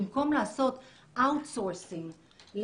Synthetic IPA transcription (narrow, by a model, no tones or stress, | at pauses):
mkomlaasot̪ | awt̪soɾsiŋ | l